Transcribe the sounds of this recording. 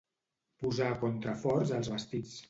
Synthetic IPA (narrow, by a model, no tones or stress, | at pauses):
puzakɔnt̪ɾəfɔɾzəlˠzβəst̪it͡s